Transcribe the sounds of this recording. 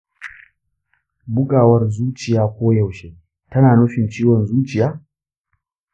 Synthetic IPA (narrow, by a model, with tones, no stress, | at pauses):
bʊ˦kʼaː˨wɐ˦rzuː˦t͡ʃɪ˨jaː˦kʷoː˦ja˨wʃeː˦ | tɐ˦naː˨nu˦ɸɪ˨nt͡ʃiː˦wɔ˨nzuː˦t͡ʃɪ˨jaː˦